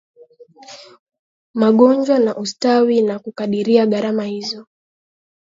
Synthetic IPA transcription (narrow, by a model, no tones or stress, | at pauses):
maɠɔnd͡ʒwanaʔustawinakukaɗiɾiaɠaɾamahizɔ